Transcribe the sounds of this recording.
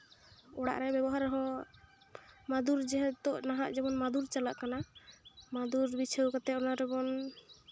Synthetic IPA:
ɔɽa̰ʔɾɛbɛbɔɦaɾɦɔ | mad̪uɾd͡ʒɛɦɛt̪ɔʔnaɦaʔd͡ʒɛmɔnmad̪uɾt͡ʃalaʔkana | mad̪uɾbit͡ʃʰewkat̪ɛɔnaɾɛbɔn

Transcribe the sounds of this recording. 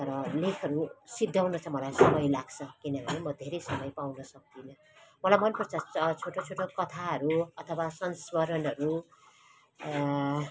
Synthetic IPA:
t̪ʌɾʌlekʰʌɾusid̪ʱːawnʌt͡sʰʌmʌlajsʌmʌjlaɡt͡sʰʌkinʌbʱʌnemʌd̪ʱeɾʌjsʌmʌjpawnʌsʌk̚d̪inʌ | mʌlajmʌnpʌrt͡sʰʌt͡sʰoʈot͡sʰoʈokʌt̪ʰaɦʌɾuʌt̪ʰʌwasʌnswʌɾʌnɦʌɾu

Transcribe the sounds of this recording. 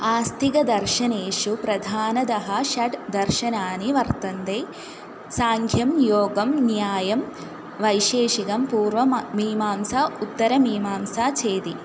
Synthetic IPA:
aːst̪ʰiɡɐd̪ɐɾʃɐneːʃupɾɐd̪ʱaːnɐd̪ɐɦɐʃɐʈd̪ɐɾʃɐnaːniʋɐɾt̪ɐnd̪eː | saːŋkʰjɐmjoːɡɐmnjaːjɐm | ʋɐjʃeːʃikɐmpuːɾʋɐmmiːmaːmsaut̪ːɐɾɐmiːmaːmsaːt͡ʃeːd̪i

